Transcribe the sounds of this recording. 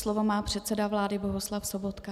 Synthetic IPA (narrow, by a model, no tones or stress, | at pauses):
slovomaːpr̝̥ɛt̪sɛdavlaːdɪboɦuslafsobot̪ka